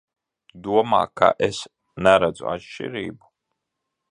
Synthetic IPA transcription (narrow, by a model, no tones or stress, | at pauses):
d̪uɔma̰ːka̰ʔes | næɾad̪zṵa̰tʃt͡ʃḭɾḭːbu